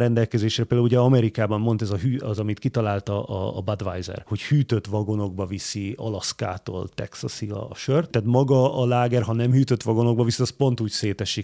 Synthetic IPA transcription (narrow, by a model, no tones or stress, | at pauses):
ɾɛnd̪ɛlkɛzeːʃrɛpeld̪auluɟɛɒmɛɾikaːbɒmːo̞nt̪ɛzɒɦyːɒzɒmit̪kit̪ɒlaːlt̪ɒɒ̰ːbɒd̪ʋajzɛ̰rho̞chyːt̪øt̪ʋɒɡo̞no̞ɡ̚bɒvisiɒ̰lɒska̰ːt̪o̰ːlt̪ɛ̰ksɒsiɒ̰ʃørt̪ːɛt̪mɒɡɒɒlaːɡɛrɦɒnɛmhyːt̪øt̪ʋɒɡo̞no̞ɡ̚bɒvisiɒspo̞nt̪uːcseːt̪ɛʃi